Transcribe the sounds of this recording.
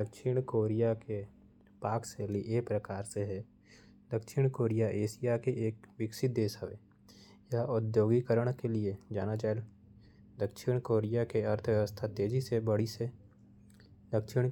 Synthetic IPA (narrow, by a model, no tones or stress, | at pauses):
d̪əkʃɪɽ̃koːɾijake | paːkseliʔeːpɾəkaːɾseɦɛ | d̪əkʃɪɽ̃koːɾijaʔeːsijakeʔeːk̚ʋɪksɪt̪̚d̪eːsəʋḛ | jaʊd̪joːɡikəɾəɽ̃kelied͡ʒaːnat͡ʃaːel | d̪əkʃɪɽ̃koːɾijakeɐɾt̪ʰʋjəʋəst̪ʰat̪eːd͡ʒisebəɽise | d̪əkʃɪɽ̃